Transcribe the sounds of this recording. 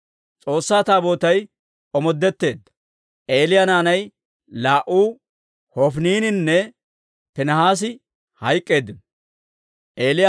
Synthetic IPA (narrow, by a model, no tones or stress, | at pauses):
t͡sʼo̞ːsːaːt̪aːbo̞ːt̪ɐj | ʔɔmɔd̪ːɛt̪ːe̞ːd̪ːɐ̥ | ʔe̞ːlɪjɐnaːnɐj | laːʔuː | hɔfniːnɪnːɛ | pɛnɐhaːs̬ɪ | hɐjkʼːe̞ːd̪ːɪn | ʔe̞ːlɪja